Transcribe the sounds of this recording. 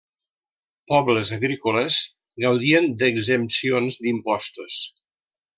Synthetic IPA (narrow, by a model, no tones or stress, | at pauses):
pɔβləzəɣɾikuləz̥ | ɡəwðiənd̪əɡzəmsionzd̪impɔst̪us